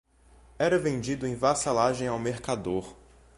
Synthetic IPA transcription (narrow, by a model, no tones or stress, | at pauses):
ɛɾɐvẽnd͡ʒid̪ʊẽj̃vasalaʒẽj̃awmeɾkad̪oɾ